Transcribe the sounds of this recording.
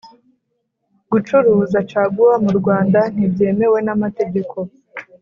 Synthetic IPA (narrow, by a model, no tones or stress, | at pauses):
ɡ̥ut͡ʃuɾuːzat͡ʃaːɡuwamuɾɡwaːndan̥ibje̞ːme̞we̞namate̞ɡe̞kʰo̞